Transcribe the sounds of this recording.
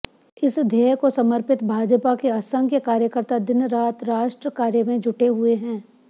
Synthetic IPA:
ɪsd̪ʱeːkosɐməɾpɪt̪bʱaːd͡ʒəpakeasə̃ŋɡkekaːɾjəkəɾt̪ad̪ɪnɾaːt̪ɾaːʃʈɾəkaːɾjəmẽd͡ʒʱʊʈeɦʊeɦɛ̃ː

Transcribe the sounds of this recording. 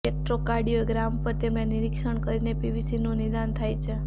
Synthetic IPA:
ek̚ʈɾokaɾɖioɡɾampəɾt̪emãniɾikʃəɳkəɾinepibisinũnid̪ant̪ʰajt͡ʃʰe

